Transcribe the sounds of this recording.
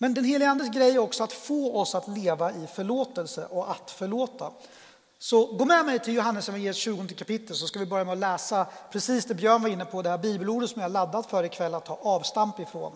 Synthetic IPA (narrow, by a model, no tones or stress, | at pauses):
mɛnd̪ɛnheːlɪɡəand̪əsɡɾɛjːæɾɔksɔat̪foːɔsat̪leːvaɪfœɭoːt̪əlsə̰ʔɔat̪fœɭoːt̪a̰ | sɔɡoːmɛmɛjt̪ʰɪljʊɦanːəsjɔvɪjeːɛt̪ɕʉ̟ːɡɔnd̪əkʰapɪt̪ːəls̬ɔskavɪbœɾjamɛɔlɛːsapʰɾɛsiːsd̪ɛbjœːɳvaɾɪnːəpʰɔd̪ɛhæːɾbiːbəluːɖət̪sɔmjahaɭad̪ːat̪fœːɾɪkʰvɛlːat̪ʰːɑːʔɑːvst̪ampɪfɾo̰ːn